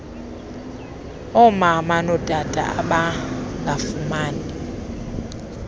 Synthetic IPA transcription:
ɔmamanɔd̥ʱʼad̥ʱʼa̰aɓaŋɡafumaːni

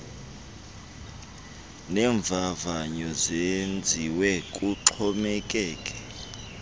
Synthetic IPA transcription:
nɛːɱb̪vʱavaɲɔzend͡zʱiwɛkʼuǁʰɔmɛkʼɛːkʼɛ

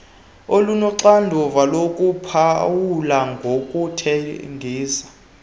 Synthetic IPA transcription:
olunɔǀandʱɔvalokʼupʰawulaŋɡʱokʼutʰeŋɡʱiːsḁ

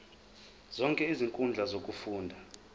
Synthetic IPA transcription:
z̥ɔŋkʼɛiziŋkʼund͡ɮʱazokʼufuːndʱa

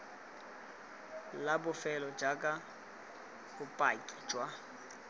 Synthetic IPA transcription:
labʊfɛlɔd͡ʒakʼa | bʊpʼajkʼi̥d͡ʒwa

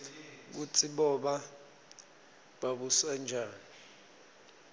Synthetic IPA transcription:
k̬ut͡sʼiɓɔɓa | ɓaɓuswand͡ʒʱaːni

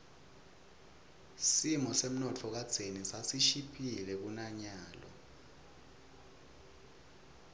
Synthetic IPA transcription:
simɔsem̩nɔtʰɔk̬ad̥z̥ʱenisasiʃipʰilɛk̬unaɲaːlɔ̰

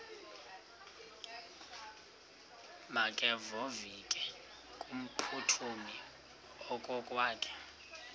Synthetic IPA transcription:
makʼɛvɔvikʼɛ | kʼum̩pʰutʰumi | ɔkʼɔkʼwaːkʰʼɛ̥

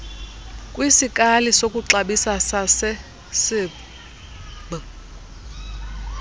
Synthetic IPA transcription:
kʼwisikʼalisokʼuǁaɓisasasɛ | sɪ | ɓ

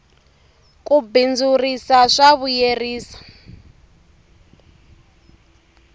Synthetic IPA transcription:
kubind͡zurisaʂaβujeriːsḁ

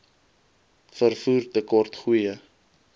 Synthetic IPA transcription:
fərfuːrtəkɔrtχujə

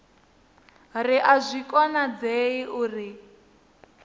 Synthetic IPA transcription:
riʔazʷikʼɔnad͡zeiʔuri

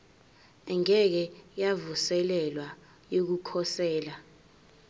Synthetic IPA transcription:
ɛŋɛk̬ɛjavusɛlɛlwa | jok̬ukʰɔsɛːla

